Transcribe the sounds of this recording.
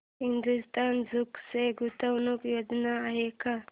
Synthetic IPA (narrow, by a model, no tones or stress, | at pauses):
ɦind̪ust̪anzukseɡut̪ɐwnukjod͡ʒnaːɦeka